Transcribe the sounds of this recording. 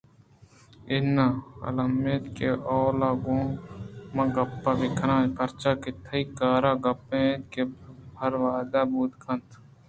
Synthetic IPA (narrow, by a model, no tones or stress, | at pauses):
ɪnaːɐ̰lɐmeːt̪keʔɔːlaːɡõːmɐ̃ɡɐpːaːbɪkʰnãːkɐɾt͡ʃaːket̪ʰɐikaːɾaːɡɐpːẽːt̪kebʱɐɾʋaːd̪aːbuːt̪kʰɐ̃nt̪ʰ